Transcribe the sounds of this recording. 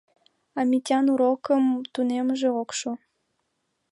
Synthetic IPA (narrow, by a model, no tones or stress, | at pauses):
ɑmitʲɑnuɾokəmt̪uneməʒeokʃu